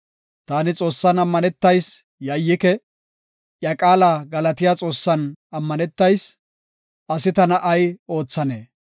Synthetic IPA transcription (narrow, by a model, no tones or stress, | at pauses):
t̪aːnɪt͡sʼo̞ːsːɐnɐmːɐnɛt̪ːɐjs | jɐjːɪkɛ | jɐkʼaːlaːɡɐlɐt̪ɪjaːt͡sʼo̞ːsːɐnɐmːɐnɛt̪ːɐjs | ɐsɪt̪ɐnɐʔɐjo̞ːt͡sːɐneː